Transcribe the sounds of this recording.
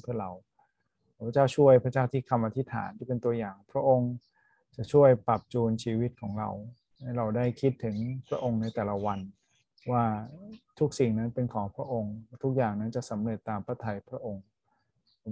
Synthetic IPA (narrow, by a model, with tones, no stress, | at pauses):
pʰɯ˥˩ɾa˧˩wː | pʰa˥t͡ɕaː˥˩wt͡ɕʰu˥˩əjpʰɾa˥t͡ɕaː˥˩wt̪ʰiː˥˩kʰa˧mʔa˧t̪ʰi˦˥t̪ʰa̰ː˩˦nt̪ʰiː˥˩pe˧nt̪u˧ɐjaː˨˩ŋpʰɾa˦˥ʔo˧ŋ | t͡ɕa˨˩ʔt͡ɕʰu˥˩əjpɾa˨˩p̚t͡ɕuː˧nt͡ɕʰiː˧wi˦˥t̪̚kʰɔː˩˦ŋɾa̰˧w | ma˥˩jɾa˧wdaː˥˩jkʰi˦˥t̪ʰːɯ˩˦ŋpʰɾa˦˥ʔo˧ŋna˧jt̪ɛː˨˩la˦wa˧n | waː˥˩t̪ʰu˦˥k̚si˨˩ŋna˦˥npe˧nkʰɔː˩˦ŋpʰɾa˦˥ʔo˧ŋt̪ʰu˦˥k̚jaː˨˩ŋna˦˥nt͡ɕa˨˩ʔsa˩˦mɾɤː˨˩t̪ːaː˧mpʰɾa˦˥t̪ʰa˧jpʰɾa˦˥ʔo˧ŋ